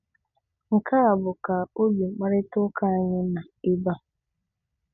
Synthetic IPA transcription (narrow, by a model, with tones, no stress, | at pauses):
ŋ̩˨kʰa˦a˨bʊ˨ka˨o˦bi˨ŋ͡m̩˨k͡pa˦ɾɪ˦tʊ˦kʰa˦˨ɲɪ˦na˨ɪ˦ba˦